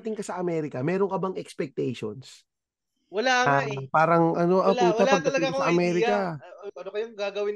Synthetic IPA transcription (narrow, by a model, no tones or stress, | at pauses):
t̪ɪŋkɐsɐʔɐmɛːɾɪkɐmɛːɾoŋkɐbɐŋɛkspɛk̚t̪ɛjʃo̰ns | wɐlapaːɾɐŋʔɐno̞ʔɐpuːɐpɐɡ̚d̪ɐŋkɐsɐʔɐmɛːɾɪkɐ | kɐjoŋɡaɡɐwɪn